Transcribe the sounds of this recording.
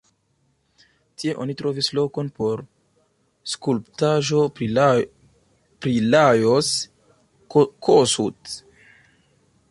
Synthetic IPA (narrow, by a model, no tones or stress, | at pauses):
tie̞ʔo̞̰nitɾo̞vislo̞ko̞npo̞ɾ | skulptaʒo̞ɾi | pɾilajos | kʰosut